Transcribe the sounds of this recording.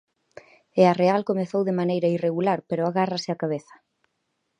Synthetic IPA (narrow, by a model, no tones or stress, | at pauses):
earealkomeθowðemanejɾɐireɣulaɾpeɾoaɣarɐsɪakaβ̞eθɐ̥